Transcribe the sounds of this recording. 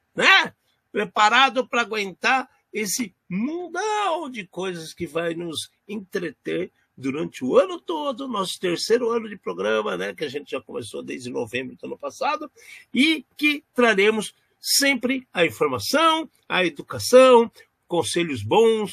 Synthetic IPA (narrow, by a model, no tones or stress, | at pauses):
nɛ | pɾepaɾad̪ʊpɾɐːɡwẽnt̪aɾ | esɪ | mũd̪awd͡ʒɪkojzɐskɪvajnʊz | ẽt̪ɾet̪eɾ | d̪uɾɐ̃nt͡ʃɪʊɐ̃nʊt̪od̪ʊnɔsʊ̥t̪eɾsejɾʊɐ̃nʊd͡ʒɪpɾoɡɾɐ̃mɐnɛkɪaʒẽnt͡ʃɪʒakõmḛso̰d̪ejzd͡ʒɪno̰vẽmbɾʊd̪ʊɐ̃nʊpasad̪ʊ | ɪkɪt̪ɾaɾẽmʊs | sẽmpɾɪɐĩfoɾmasɐ̃w̃ | ɐed̪ukasɐ̃w̃ | kõseʎʊzbõw̃s